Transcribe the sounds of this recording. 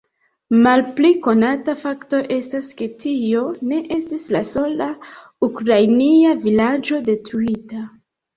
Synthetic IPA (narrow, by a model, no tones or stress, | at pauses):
malpliko̞natafakto̞ʔe̞staske̞tʰio̞ne̞ʔe̞stislaso̞la | ukɾajniavilad͡ʒo̞de̞tɾuita